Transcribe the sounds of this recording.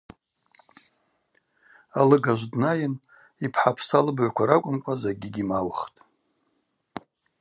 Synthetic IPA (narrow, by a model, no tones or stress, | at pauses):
alɨɡaʒʷdnajɪn | ipʰħapʰsalɨbʕʷkʷʰaɾakʷʼʊmkʷʼazaɡʲiɡʲimawχtʼ